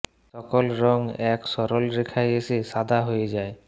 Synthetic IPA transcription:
sɔkɔlɾɔŋɛksɔɾɔlɾikʰajesesad̪ʱaɦojed͡ʑae

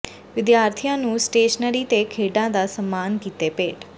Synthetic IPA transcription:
ʋɪd̪jaːɾt̪ʰijãːnũːsʈeːʃənəɾiːt̪ekʰeːɖãːd̪aːsəmːaːnkiːt̪eːpeːʈ

